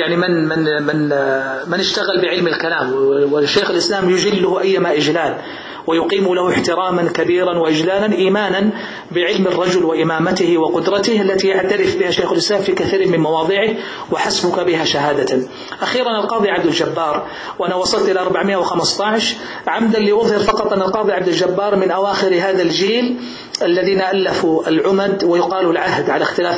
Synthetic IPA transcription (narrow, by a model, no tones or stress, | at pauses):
jaʕnimɪnmɪnmɪnmɪnɪʃt̪aɣalbɪʕɪlmalkalaːmwɪʃːejxɪlʔɪslaːmjʊd͡ʒɪlːʊhʔajːamaʔɪd͡ʒlaːl | wajʊqiːmlahʊɪħt̪ɪɾaːmankabiːɾanwaʔɪd͡ʒlaːlanʔiːmaːnan | bɪʕɪlmɪrˤːɑd͡ʒʊlwɪʔɪmaːmat̪ɪhwqʊd̪ɾˤɑt̪ɪhʔalːat̪ijaʕt̪aɾɪfbɪhaːʃajxalʔɪslaːmfiːkaθiːɾɪmɪnmɑwɑːðˤɨʕɪh | waħasbʊkabɪɦaʃaɦaːd̪a | ʔaxiːɾanalqɑːðˤiʕabd̪ɪld͡ʒabːɑːɾˤ | wʔanawɑsˤɑlt̪ʔɪlaʔɑɾˤbaʕmɪjːʔawxamɪst̪ˤɑʕʃ | ʕamd̪anlːiːʔʊðˤhɪɾfɑqɑt̪ˤʔanːalqɑːðˤiʕabd̪ɪld͡ʒabːɑːɾˤmɪnʔawaːxɪɾɦaːðald͡ʒiːl | ʔalːaðiːnaʔalːafuʔalʕʊmad̪wajʊqɑːlulʕahd̪ʕalaxt̪ɪlaː